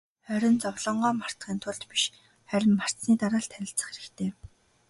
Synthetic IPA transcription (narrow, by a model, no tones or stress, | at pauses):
χœɾʲɪ̆nt͡sɔwɮɞ̆ɴɢɔːmar̥t̪ɢiːnt̪ʰʊɮt̪piʃ | χæɾʲɪ̆mːar̥t͡s̪niːt̪aɾaːɮt̪ʰæɾʲɪ̆ɬt͡sə̆χxeɾɘ̆kt̪ʰeː